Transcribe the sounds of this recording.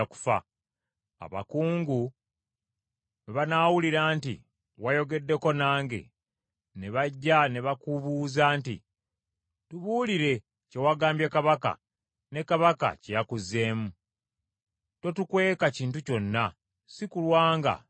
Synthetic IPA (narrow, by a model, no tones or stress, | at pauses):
aku̥fa̰ | a̰βa̰kuːŋɡu | βanaːwuliɾaːntḭ | wajo̞ɡe̞dːe̞ko̞naːŋɡe̞̰ | ne̞βaɟːane̞βakuβuːzaːntḭ | tuβuːliɾe̞ | ce̞waɡaːmbjekaβaka̰ | ne̞kaβaka̰cejakuze̞ːmu | two̞tukwe̞ːkaciːntuco̞nːa | sikulwaːŋɡa̰